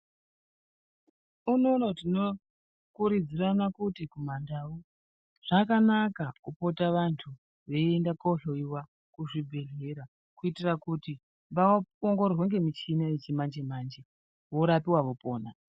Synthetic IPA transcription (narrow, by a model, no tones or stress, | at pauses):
uno̞natino̞ | kuɾid͡ziranakutikumandau | ʐ̥akanakakupo̞taʋantʰu | ʋe̞iendakoɬoiwa | kuʐibʱe̞ɮe̞ɾa | kuitirakuti | mbaooŋɡorrweŋɡe̞mit͡ʃinaet͡ʃimand͡ʒe̞maːnd͡ʒe | ʋo̞ɾapiwaʋo̞po̞ːna